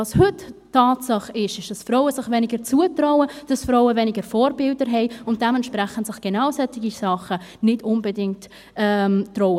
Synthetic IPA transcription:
ɑːshʏttːɑːtsɑχɪʃɪʃd̥ɑsfrɔʊəsɪχvɛnɪɡəɾt͡suətrɔʊəd̥ɑsfɾɔʊəvɛnɪɡəɾfɔːɾbɪldəɾɦɛɪʊnt̚d̥ɛmɛntʃpɾɛχənsɪχɡ̥enaʊsɛtɪɡisɑχə | nɪdʊnbədɪŋt | ʔɛmtːrɔʊə

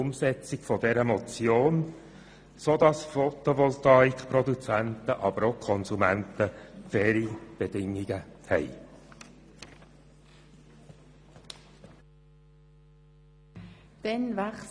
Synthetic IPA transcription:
ʊmsɛt͡sɪɡfɔdɛɾəmɔt͡sjoːn | sod̪ɑsfɔt̪oʋɔlt̪ɑikχpɾɔd̪ut͡sænt̪əʔɑbəɾokʰɔnzumænt̪əfɛːɾib̥edɪŋːiɡəhɛ̰j | d̥ɛnvæχ

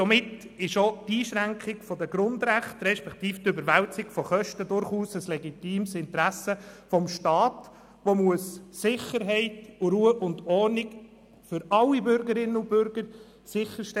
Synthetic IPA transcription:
ɔmɪt | ɪʃot̪iːʃɾæŋkχɪɡ̥fɔdəɡɾʊndɾæχt̪ɾɛʃpɛkt̪iːft̪ʏbəɾʋæwt͡sɪkfɔχœʃtədʊɾχuːsəslɛɡitiːmsɪnt̪ɾæsəfɔmʃtɑːt | ʋomuəsːɪχəɾɦɛɪtʊɾuəʔʊndɔɾnɪɡ | fʏɾɑlːibʏɾɡəɾɪnːəʊb̥ʏɾɡəɾ | sɪχəɾʃtɛ

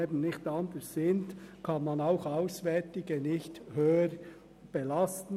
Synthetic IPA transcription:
eːbən̩nɪçtɑnd̪əssɪntkʰɑnmɑnaʊxɑʊsvɛtɪɡənɪçthøːəɾ | b̥ɛlɑstn̩

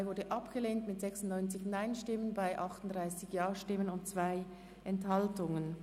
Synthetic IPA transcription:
ɪvʊɐdəʔɑpɡ̥əleːntmɪtz̥ɛksʊn̩tnɔʏnt͡sɪçnaɪnʃtɪmənbaɪʔɑχtʊn̩dʁaɪsɪçjɑːʃtɪmənʊntt͡sv̥aɪ | ʔɛnthɑltʊŋən

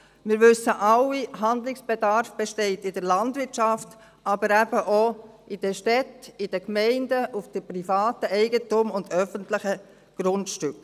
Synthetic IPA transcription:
mɪːɾʋʏsəʔɑwiɦɑnd̪lɪksb̥edɑɾfb̥ɛʃtɛɪtɪdəɾlɑndʋɪɾt͡ʃɑft | ʔɑbəɾæb̥əʔoɪd̥əʃtɛtɪd̥əkmɛɪndəʔufd̥əpɾifɑːtəʔɛɪɡətʊmʊndœfəntlɪχə | ɡ̥ɾʊndʃtʏk

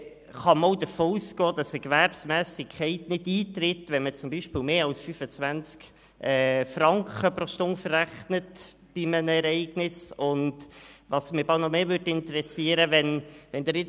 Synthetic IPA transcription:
χɑmɔʊdəfoːuːskɔːd̥ɑsəkvæɾpsmæːsɪkʰχɛɪtnɪdiːt̪ɾɪtʋɛnmət͡sʊmbiːʃpɪːlmeːɑlsfyfət͡svænt͡sk | ʔɛːfrɑŋkχəpɾɔʃtʊŋfəræχnət | b̥ɪmənəɛɾɛɪɡ̥nɪsʊntʋɑsmɪbɑlnɔmeːvʏɾdɪntəɾɛsiːəɾəʋɛnʋɛnd̥̪əɾɪ

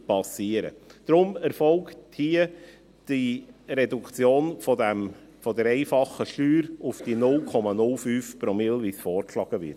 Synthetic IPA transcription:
pɑsiːəɾə̰d̪̥ɾʊmɛɾfɔlkthiə | d̥iɾɛdukt͡sjoːnfɔdæm | fɔdɛɾɛɪfɑχəʃlyːɾʊfd̥inʊlkʰɔmɑnʊlfyːfpɾɔmɪlvisfɔːɾkʃlɑːɡ̥əvɪ̰t

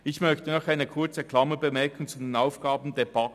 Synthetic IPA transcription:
ɪçmœçtənɔχaɪnəkʰʊɐt͡səkʰl̥ɑməbəmɛɐkʰʊŋt͡sudenaʊfɡ̥aːbn̩deb̥ɑ

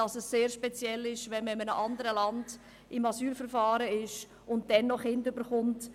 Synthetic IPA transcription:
ɑsɛsːeːɾʃpɛt͡sjɛlːɪʃʋɛnməɪmənəʔɑndəɾəlɑnd | ʔɪmɑsyːlfəɾfɑːɾəɪʃ | ʊnt̚dɛnːɔχɪndʏbəɾχʊnt

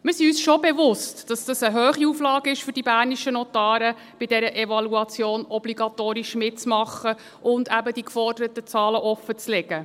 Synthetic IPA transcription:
mɪɾsiyːsʃɔbɛvʊstd̥ɑsd̥ɑsəɦøːχiuːflɑːɡɪʃfʏɾdibæːɾniʃənɔtɑːɾə | b̥ɪdɛɾəʔɛvɑluɑt͡sjoːnɔbliɡɑtoːɾiʃmɪt̚t͡smɑχːə | ʔʊndæbədikfɔrdəɾətət͡sɑːləʔɔfːət͡slɛɡ̥ə

